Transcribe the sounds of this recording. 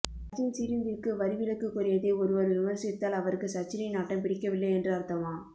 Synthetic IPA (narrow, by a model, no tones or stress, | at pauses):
t͡ʃːɪnsɪɾɪnd̪ɪrkɯʋɐɾɪʋɪlɯkːɯkːʊɾɐjɐðeːɔɾɯʋɐɾʋɪmɐɾsɪt̪ːaːlɐʋɐɾɯkːɯsɐt͡ʃːɪɾɐɪnaːʈːɐmpɪɽɪkːɐʋɪlːɐɪɛndrɯɐɾt̪ɐmãː